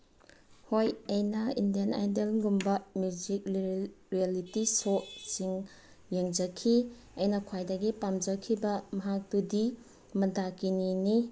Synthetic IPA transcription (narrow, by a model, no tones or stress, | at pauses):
hojɐjnɐḭndijana̰jdelɡumbɐmjud͡ʒik̚ɾialitisot̚siŋ | jeŋd͡ʒɐkʰi | ɐjnɐkʰwajdɐɡipamd͡ʒɐkʰibɐmɐɦak̚tudi | mɐdakinini